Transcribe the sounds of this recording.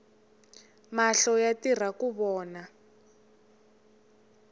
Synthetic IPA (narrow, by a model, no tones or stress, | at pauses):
maɬɔjatir̤akuβɔːna